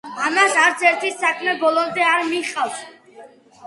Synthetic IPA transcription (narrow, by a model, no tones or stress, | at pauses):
amasaɾt̪sʰɛɾt̪ʰisakʰmɛbɔlˠɔmd̪ɛaɾmiχʼaws